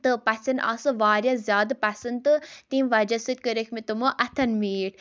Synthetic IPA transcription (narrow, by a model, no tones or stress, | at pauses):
t̪ɨpɐsɐna̰sɨʋaːɾjazʲjaːd̪pɐsɐnt̪ɨt̪iːmʋɐd͡ʒɐsɨt̪̚ʲkəɾekʰmit̪umoʔɐt̪ʰɐnmiːʈ